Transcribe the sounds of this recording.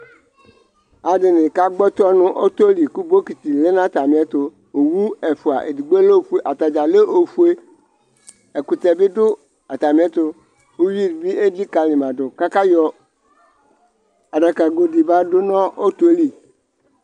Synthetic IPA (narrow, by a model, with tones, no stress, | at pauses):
a˨dɪ˨nɪ̃˨ka˦ɡ͡bɔ˦t̪ɔ˦nʊ̃˦ʔo˦t̪o˦li˨kʊ˦bo˦ki˨t̪i˨lɪ˦nã˦t̪a˨mɪ̃˨˦ɛ˦t̪ʊ˨ | o˨wu˦ɛ˨fʊ˨a̰˨ʔḛ˨di˨ɡ͡be˦le˦o˦fu˦e˦ʔa˨t̪a˨d͡ʒa˨le˦ʔo˨fu˦e˦ | ɛ˨kʊ˨t̪ɛ˨bɪ˦dʊ˦ | a˨t̪a˨mɪ̃˨˦ɛ˦t̪ʊ˨ | o˦ɥi˦˨ɾbi˦e˦di˦ka˨lɪ̃˨mã˨dʊ˨ka˦ka˦jɔ˦ | a˨ɖa˨ka˨ɡo˨di˨ba˦dʊ˦nɔ̃˦o˦t̪o˦li˨